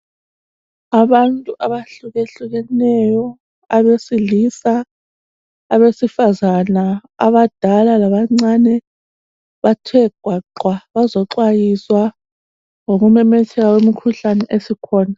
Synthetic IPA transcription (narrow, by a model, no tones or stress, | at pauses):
aβantʼuʔaβaɬuɣeɬuɣɛnɛjɔ | aβesilisa | βesifazanaa̰βad̥ʱalalaβaŋ͡ǀanɛ | βatʰwɛɡ̥ʱwaǃwaβazɔǁwajiswa | ŋoɣumɛmɛtʰɛɣawemikʰuɬanɛʔesikʰɔːna